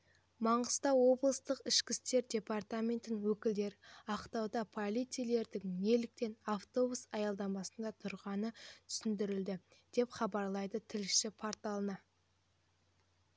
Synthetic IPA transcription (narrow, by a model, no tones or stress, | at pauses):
mɑɴəz̥t̪ɑwo̞blˠəst̪əqɪʃkʲɪst̪e̞ɾdʲe̞part̪amʲe̞nt̪ɪnwɵkʲɪld̪e̞ɾɑqt̪ɑwd̪ɑpʰolʲit̪sijle̞ɾd̪ɪŋne̞lɪk̚t̪e̞naft̪o̞busɑjɑlˠd̪ɑmɑsənd̪ɑt̪ʰʊɾʁɑnət̪ʰʏ̥sɪnd̪ɪɾɪld̪ɪd̪̥e̞pχɑbɑɾlˠɑjd̪ət̪ʰɪlɪʃɪpʰoɾt̪alˠənɑ